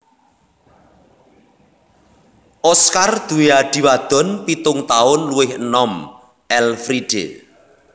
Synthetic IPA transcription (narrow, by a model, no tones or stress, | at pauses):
ʔɔskard̪̥ṳeaɖ̪̥i̤wad̪̥ɔ̤npit̪ʊŋt̪aʊnluwɪhənɔm | ʔɛlfɾiɖ̥ḛ